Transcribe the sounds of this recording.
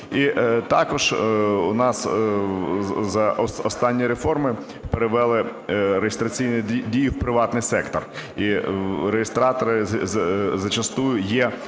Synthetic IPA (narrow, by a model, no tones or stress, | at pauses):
it̪ɑkɔʒunɑs | zɐʔɔɔst̪ɑnʲːiɾefɔrmɪ | peɾɪʋɛlˠɪɾeɦjɪst̪ɾɐt͡sʲijnʲidʲijʊwpɾɪʋɑt̪nɪjsɛkt̪ɔriɾejɪst̪ɾɑt̪ɔɾɪ | zɐt͡ʃɐst̪ujʊjɛ